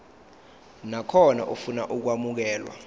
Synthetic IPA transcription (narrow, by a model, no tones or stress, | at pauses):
nakʰɔna̰ʔufunaʔuk̬wamuk̬ɛːlwa̰